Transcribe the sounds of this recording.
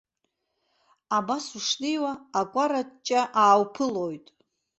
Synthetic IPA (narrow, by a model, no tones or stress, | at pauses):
abasuʂnɨjwaːkʷʼaɾat͡ʃʼaʔaːwpʰɨlojtʼ